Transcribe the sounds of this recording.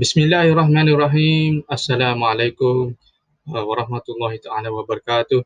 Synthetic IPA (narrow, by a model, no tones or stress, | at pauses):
bɪsmɪlːaːɦɑrˤːɑɦmaːnɪrˤːɑɦiːmɐsːɐlaːmʕaleːkʊm | wɐɾˤɑɦmɐt̪ʊlˤːɑːɦɪt̪aʕaːlaːwɐbɐɾˤɐkaːt̪ʊ